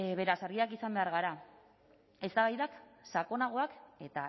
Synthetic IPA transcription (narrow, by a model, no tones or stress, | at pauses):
βe̞ɾasaɾɣiakisambe̞aɾɣaɾa | e̞st̪aβajðaksako̞naɣ̞o̞ake̞t̪a